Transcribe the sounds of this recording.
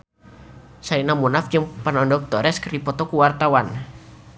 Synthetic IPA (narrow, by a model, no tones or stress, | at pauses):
sainamunafd͡ʒəŋpanɔndɔk̚d̪̥ɔɾɛskərdipɔt̪ɔkuwart̪awan